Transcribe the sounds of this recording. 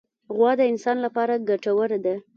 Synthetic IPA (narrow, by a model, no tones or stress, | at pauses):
ɣwɑd̪əɪnsɑnlapɑɾaɡaʈawəɾd̪a